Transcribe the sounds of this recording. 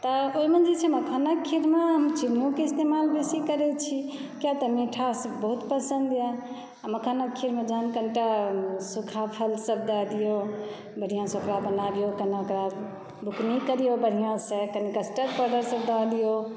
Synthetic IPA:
t̪ɔoimənd͡ʒit͡ʃʰeməkʰənəkʰːiɾmeɦəmt͡ʃimnũkeist̪emalbesikəɾɛt͡ʃʰikjat̪əmiʈʰasəbbəɦut̪pəsə̃nd̪ja | aməkʰənəkʰːiɾmẽd͡ʒəɦənkəɳʈasukʰapʰəlsəbd̪əɦd̪ijo | bəɽ̤ijãsə̃okɾabənabijokənaokɾa | bʱuknikəɾijobəɽ̤ijãsẽkənikəsʈəɾpəɾɖəɾsəbd̪əd̪ijo

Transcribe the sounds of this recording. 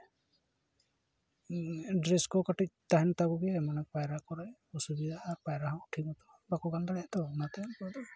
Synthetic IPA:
ɖɾeskɔkaʈic̚t̪aɦɛnt̪aɡuɡɛɛmanak̚pajɾakɔɾajɔsubid̪ʱaːɾpajɾaɦawʈʰikɔt̪ɔ | bakɔɡandɾɛɛt̪ɔnat̪ajanpɔd̪ɔ

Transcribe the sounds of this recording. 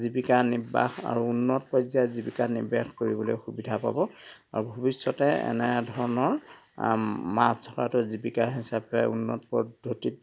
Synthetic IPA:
zibikaniba̰xa̰ɹuunːɔtpɔjzajzibikanḭbaxkoɹibɔlojxubidʱapa̰bɔa̰ɹubʱubisːɔtɛɛ̰nɛdʱɔɹɔnɔɹ | masdʰʱɔkatʊzibikaɹɦisapɛṵnːɔ̰tpɔdʱːotit

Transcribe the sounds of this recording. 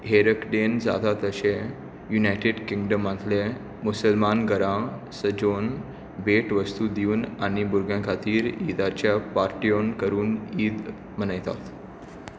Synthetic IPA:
ɦeɾəkɖend͡za̰t̪at̪əɕẽ | junajʈeɖkiŋɡɖəmat̪le | musəlmanɡəɾãsəd͡ʑon | beʈʋəst̪ud̪iuːnaɽ̃ibuɾɡjãkʰat̪iːɾid̪at͡ɕjapaɾʈionkəɾuːniːd̪ | m̤ənəjt̪a̰t̪

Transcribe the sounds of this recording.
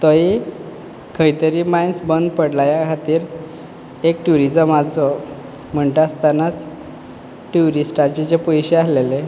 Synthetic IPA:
t̪ɔɦi | kʰəjt̪əɾiːmajnsbənd̪pəɽlajakʰat̪iːɾ | ekʈuɾid͡zəmad͡zɔ | m̤əɳʈ̪əast̪anat͡s | ʈuɾisʈat͡ɕet͡ɕepɔjɕeaslele

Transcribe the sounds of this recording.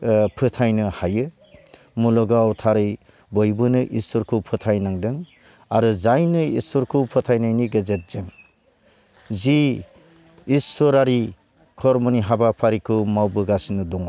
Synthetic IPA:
pʰɯtʰajnɯhajɯ | mulɔɡawtʰaɾɯj | bɔjbɯnɯʔisɔɾkʰuwpʰɯtʰajnaŋdɯŋ | aɾuzajnɯisɔɾkʰuwpʰɯtʰajnajniɡazet̚z̥ɯŋ | zi | sɔɾaɾi | kʰɔɾmɔniɦabapʰaɾikʰɯmawbɯɡasinɯdɔŋa

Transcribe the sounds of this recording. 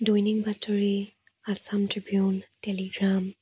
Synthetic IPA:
dɔjniŋbatɔɹi | asamtɹibiuntɛliɡɹam

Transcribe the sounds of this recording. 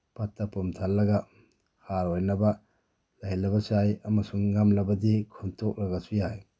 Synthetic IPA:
patːɐpumtʰalːɐɡɐ | haɾojnɐbɐ | laɦilɐbɐsajɐmɐsuŋːamlɐbɐdikʰuntʰok̚ɾɐɡɐsujaj

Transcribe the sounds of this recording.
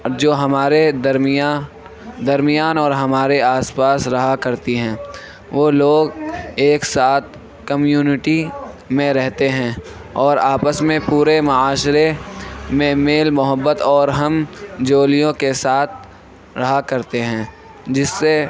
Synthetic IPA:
d͡ʒoːɦɐmaːɾed̪ɐɾmja | d̪ɐɾmɪjaːnɔːɾɦɐmaːɾeaːspaːsɾɐɦakɐɾt̪iɦɛ̃ː | ʋoːloːɡeːksaːt̪̚ʰ | kəmjuːnɪʈi | mẽɾɛɦt̪eɦɛ̃ː | ɔːɾaːpəsmẽpuːɾemɐaːʃɾemẽmeːlmʊɦəbːət̪ɔːɾɦɐmd͡ʒoːlijõkesaːt̪̚ʰ | ɾɐɦakɐɾt̪eɦɛ̃ː | d͡ʒɪsːe

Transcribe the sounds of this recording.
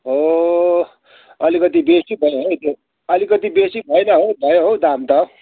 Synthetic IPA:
ɦo | ʌlikʌt̪ibesibʱʌjoɦot̪ʰjo | ʌlikʌt̪ibesibʱʌjnʌɦobʱʌjoɦod̪amt̪ʌ

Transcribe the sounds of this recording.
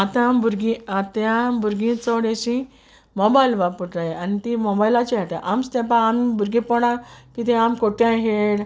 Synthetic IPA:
at̪ãmbuɾɡĩat̪jãmbuɾɡĩt͡sɔɽeɕĩ | mobajlʋapuʈɾajeanit̪imɔbajilat͡ɕiaʈ̪a̰ʔamst̪ẽp̬ãːmbʱuɾɡipɔɽãkit̪ẽamkoʈãɦeɽ

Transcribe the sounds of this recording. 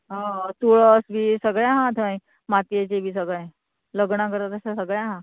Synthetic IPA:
ɦat̪oɭəsbʱiːsəɡɭjãɦãt̪ʰəj | mat̪jet͡ɕebʱiːsəɡɭẽ | ləɡɳakəɾt̪at̪əɕasəɡɭjãɦã

